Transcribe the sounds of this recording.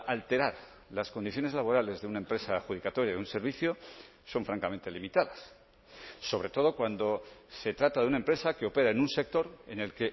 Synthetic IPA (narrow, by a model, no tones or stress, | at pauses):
alt̪e̞ɾaɾ | laskond̪iθjo̞ne̞zlaβo̞ɾale̞zðeunaempɾe̞saːxuð̞ikat̪o̞ɾjaðunse̞ɾβiθjo̞ | so̞ɱfɾaŋkamẽ̞nt̪e̞limit̪aðasː | o̞β̞ɾe̞t̪o̞ð̞o̞kwand̪o̞se̞t̪ɾat̪aðunaempɾe̞sake̞o̞pe̞ɾaenunse̞k̚t̪o̞ɾe̞̰ne̞lke̞